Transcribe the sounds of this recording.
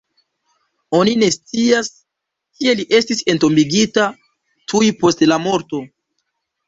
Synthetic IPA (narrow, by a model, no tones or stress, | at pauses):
o̞nine̞st͡sias | kie̞liʔe̞stise̞nto̞mbiɡita | tʰujpo̞stlamo̞ɾto̞